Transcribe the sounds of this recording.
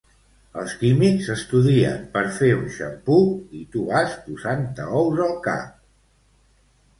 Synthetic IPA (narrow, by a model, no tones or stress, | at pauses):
ə̰lˠskimikzəst̪uðiə̰mpəɾfeunʃə̰mpuit̪uβaspuzant̪əɔwzəlˠka̰